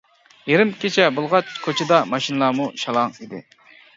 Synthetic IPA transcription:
jeɾɪmkʲʰet͡ʃʰɛbolˠʁɑt͡ʃkʰot͡ʃʰɪd̪ɑmɑʃinɨlˠɑːmuʃɑlˠɑŋid̪ɪ̰

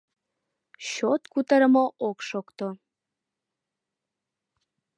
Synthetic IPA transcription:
ɕot̪kut̪əɾəmoʔokʃokt̪o

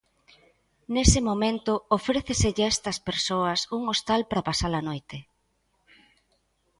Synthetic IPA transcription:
nesɪmomẽnt̪ʊofɾeθeseʎest̪ɐspeɾsoɐsuŋost̪alpɾɐpasalɐnojt̪e

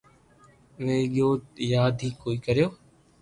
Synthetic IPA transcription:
ʋeːɠjoːt̪jaːd̪ʱiːkoːiːkəɾjoː

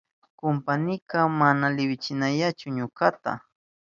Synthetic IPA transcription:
kʊmpanɪkamanalɪwɪt͡ʃɪnaʎat͡ʃʊɲʊkat̪a̰

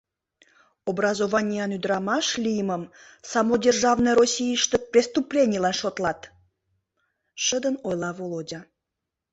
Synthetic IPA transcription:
obrɑzovɑnʲijɑnyd̪ɾɑmɑʃlʲijəməm | sɑmodʲerʒɑvnəjrosʲijəʃt̪əprʲest̪uplʲenʲijlɑnʃot̪lˠɑt̪ | ʃəd̪ənojlˠɑvolodʲa

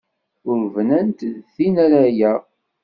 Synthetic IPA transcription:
ʊɾvnænt̪ðθinæɾæjæ

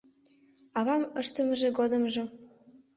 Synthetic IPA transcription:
ɑβɑməʃt̪ə̆mə̆ʒĕɡod̪ə̆mʒĕ

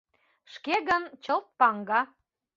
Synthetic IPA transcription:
ʃkeɣənt͡ɕəlˠt̪̚pɑŋɡɑ

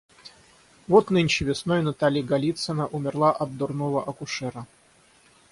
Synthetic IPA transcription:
vot̪nɨnʲt͡ɕɪvʲɪsnojnɐt̪alʲɪjəɡɐlʲit̪sənəʔʊmʲɪrlˠaʔɐd̪̚d̪ʊrnovəʔɐkʊʂɛɾə

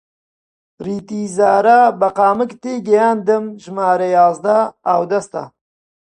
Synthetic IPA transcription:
ɾiːt̪iːzaːɾabɐqɑːmɨkt̪eːɡɐjaːnd̪ɨmʒmaːɾɐjaːzd̪ɐːwd̪ɐst̪ɐ̰

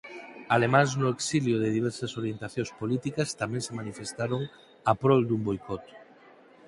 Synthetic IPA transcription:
alemãŋznʊeksiljʊðɪðiβ̞ɛɾsɐsoɾjent̪aθjõŋspolit̪ikɐst̪amɛ̃ŋsemanifest̪aɾoŋ | apɾɔld̪umbojkɔt̪

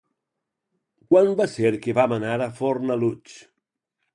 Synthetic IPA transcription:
kwanbaseɾkeβamanaɾafoɾnalut͡ʃ

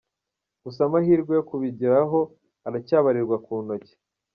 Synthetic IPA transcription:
ɡ̥us̬amaɦiːɾɡwejokuβiɟiɾaɦo̞ | aɾacaːβaɾiɾɡwakuːno̞ce̥

